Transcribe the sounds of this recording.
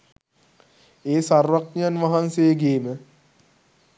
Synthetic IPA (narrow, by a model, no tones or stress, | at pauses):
eːsarʋaknijanʋaɦansejəɡeːmə